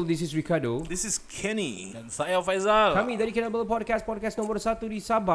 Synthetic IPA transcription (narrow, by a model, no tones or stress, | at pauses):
ld̪is̬ɪsɹikadod̪isiz̥kʰɛnḭ | ɛ̃nsajafajzalkamĩdɛjukɛ̃nabələpɔd̚kɛs̚pɔd̚kɛsnɔ̃mbərsat̪udisaba